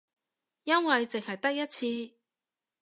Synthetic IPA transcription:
jɐ˥nwɐ˨jt͡sɪ˨ŋhɐ˨jt̪ɐ˥k̚jɐ˥t̚t͡sʰiː˧

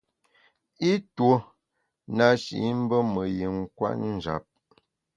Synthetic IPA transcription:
i˦two˨˦ | na˨ʃḭ˨˦m̩˦bə˦mə˨ji˨ŋ˦kwa̰˦ʔn˨d͡ʒa̰˨p̚

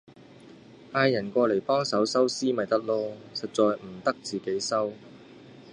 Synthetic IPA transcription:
ʔaː˧jɐ˨˩nkɔː˧le˨˩jpɔː˥ŋsɐ˨˥wsɐ˥wsiː˥mɐ˨jt̪ɐ˥k̚loː˧sɐ˨t̚t͡sɔː˨jm̩˨˩t̪ɐ˥k̚t͡siː˨ke˨˥jsɐ˥w

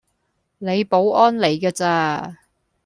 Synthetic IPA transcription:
ne˨˧jpo˨˥wʔɔː˥nle˨˧jkaː˧t͡saː˧

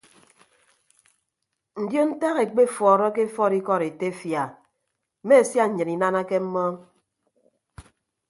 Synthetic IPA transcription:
n̩˨djo˦n̩˦ta˦ɣe˨k͡pe˦fɔː˨ɾɔ˦ke˦fɔ˦˨ɾi˦kɔ˦˨ɾe˨te˦fja˨ | me˦˨sja˦ɲ̩˨ɲɨ˨ni˨na˦na˦ke˦m̩˦mɔ˦

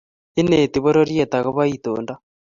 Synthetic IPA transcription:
i˦ne˨t̪i˨βo˦ɾo˦ɾje˨t̪a˨ɣo˦βa˦it̪o̰ː˨nda˦

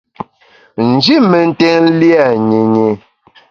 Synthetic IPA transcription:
n̩˨d͡ʒi˦mɛ˨n̩˦tɛ˦ŋ̩˦li˦a˦˨ɲe˨ɲe˨

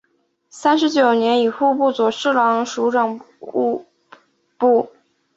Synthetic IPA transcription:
sa˥nʂ̬ɻ̩˧˥t͡ɕjo˨˩ʊnjɛ˧˥ni˨˩xu˥˧pu˥˩t͡swɔ˨˩ʂɻ̩˥˩lɑ˧˥ŋʂu˧˥ʈ͡ʂɤ˨˩ŋ | u˥˧ | pu˥˩

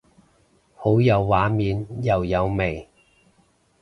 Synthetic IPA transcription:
ho˨˥wjɐ˨˧wːaː˨˥miː˨˧njɐ˨wjɐ˨˧wme˨˩j

